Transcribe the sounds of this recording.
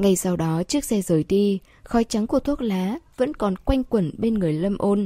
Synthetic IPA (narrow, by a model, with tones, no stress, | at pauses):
ŋa˨˩jsa˧wɗɔ˨˦t͡ɕɨ˦˥ək̚sɛ˧zəː˨˩jt̪i˧ | xɔ˨˦jt͡ɕa˨˦ŋku˧˩ət̪ʰət̚laː˨˦və̰˧˥nkɔ˨˩nkwa˧jŋ̟kwə˨˧˩nɓe˧nŋɨ˨˩əjlə˧mʔo˧n